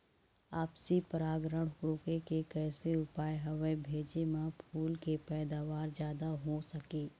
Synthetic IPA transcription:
aːpsipəɾaːɡɾəɽkɾoːkekekɛːseʊpaːjɦɐʋəbʱeːd͡ʒemãpʰuːlkepɛːd̪aːʋaːɾd͡ʒjaːd̪aɦosɐkeː

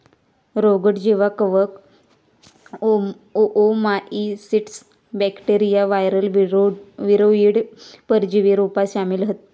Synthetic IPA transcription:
ɾoɡəʈd͡ʑeʋakəʋək | oʔomaʔisiʈs | bɛkʈeɾijaʋajɾəl | ʋiɾoiɽpəɾd͡ʑiʋiɾupasamilɦət̪

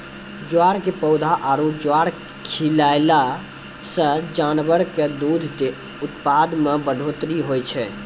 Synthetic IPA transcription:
d͡ʒoaɽkepəʊd̪ʱaʔaɾud͡ʒoaɾ | kʰilajla | sə̃d͡ʒanbəɾked̪ud̪ʱt̪e | ut̪pad̪mebəɖʱot̪ɾiɦojt͡ʃʰɛ

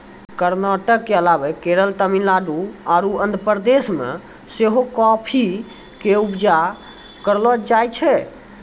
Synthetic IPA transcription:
kəɾnaʈəkːeəlabɛkeɾəlt̪əmilaɖuaɾuənd̪əpəɾd̪esmḛ | seɦokɔpʰi | keubd͡ʒa | kəɾlɔd͡ʒajt͡ʃʰɛ

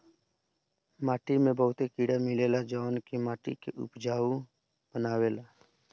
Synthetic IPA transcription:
maːʈiːmẽːbəːʊt̪eːkiːɽaːmɪleːlaːd͡ʒaːnkeːmaːʈḭːkḛːʔʊ̰pd͡ʒaːʋũː | bənaːʋeːlaː

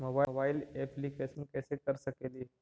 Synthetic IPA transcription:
mobabailepʰliːkesmikɛsekəɾsəkeliː

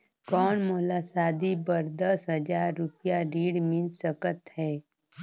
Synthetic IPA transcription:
kɔːɳmoːlaːsaːd̪ibəɾd̪əsɦəd͡ʒaːɾːʊpjaɾiːɽmɪ̃nsəkət̪hɛː

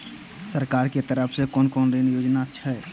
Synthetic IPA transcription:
səɾkaːɾket̪əɾəpʰsekɔːnkɔːnɾinjoːd͡ʒnat͡ʃʰɛɛ

